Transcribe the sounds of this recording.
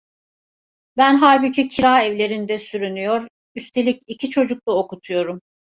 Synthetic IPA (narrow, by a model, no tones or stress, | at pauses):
bænɦaɾbicʰicʰiɾaːɛvlʲe̞ɾind̪ɛsyɾynyjoɾ | yst̪ʰe̞lʲicicʰit͡ʃʰo̞d͡ʒuk̚t̪ˠaokut̪ʰujo̞ɾum